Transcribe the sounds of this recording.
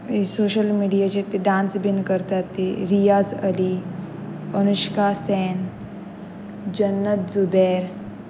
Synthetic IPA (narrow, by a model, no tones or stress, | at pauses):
isoːʃəlmiːɖijat͡ʃet̪iɖaːnsbinkəɾt̪at̪ːeɾijaːzəli | ənuʃkaːsɛːn | d͡ʒənːət̪zubeːɾ